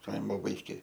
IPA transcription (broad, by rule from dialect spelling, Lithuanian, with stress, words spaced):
ˈkɐɪmoː ʋɐɪˈkʲeː